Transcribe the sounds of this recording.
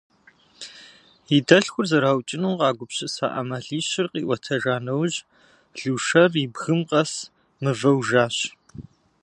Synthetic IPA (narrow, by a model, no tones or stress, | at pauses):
idɐɬxʷʊrzɐɾaːwt͡ʃʼɪnuːqɑːɡʷʊpɕɪsa̰ːʔɐ̰mɐɮiːɕɪrqʼḭːʔʷɔtʰɐʒaːnɐwʑ | ɮuːʂɐribɣɨmqɐs | mɨvɐwʒaːɕ